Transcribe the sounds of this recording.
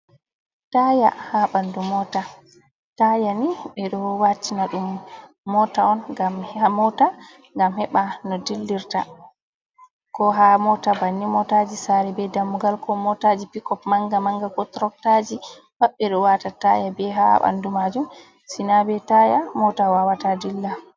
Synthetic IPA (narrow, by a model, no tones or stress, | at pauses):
taja̰haɓandumɔta | tajaniɓɛɗɔwat͡ʃːinaɗumː | ɔtaɔnɡamamɔta | ŋɡamhɛɓanɔdilːiɾta̰ | kɔɦamɔtabanːimɔtad͡ʒisaɾɛbɛdamːuɡalkʰɔmɔtad͡ʒipikɔpmaŋɡamaŋɡakɔtɾɔk̚tad͡ʒi | baɓːɛɗɔwatatajabɛɦa̰ɓa̰ndumad͡ʒum | sinabɛtajamɔtawawatadilːa